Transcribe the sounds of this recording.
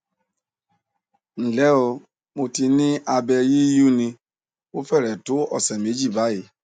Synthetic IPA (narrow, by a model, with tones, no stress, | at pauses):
n̩˨lɛ˦o˧ | mo˧ti˧nĩ˦ʔa˧bɛ˧ji˦ju˦nĩ˧ | o˦fɛ˦˨ɾɛ˨tʊ˨˦ɔ˦˨sɛ˨m˨e˨˦d͡ʒi˦˨ba˨˦ji˨